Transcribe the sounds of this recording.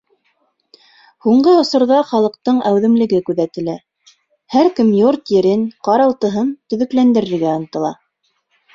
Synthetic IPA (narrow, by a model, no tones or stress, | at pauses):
huɴɢɤŏsŏɾðɑχɑlˠɤ̆q̚t̪ɤɴæwðɘ̆mlɘ̆ɡɘkʉðæt̪ɘ̆læ | hæɾkɘmjoɾt̪jɘ̆ɾɘnqɑɾɑlˠt̪ɤ̆ɦɤnt̪ɵ̆ðɵ̆klænd̪ɘ̆ɾɘ̆ɾɡæɑnt̪ɤ̆lˠɑ̰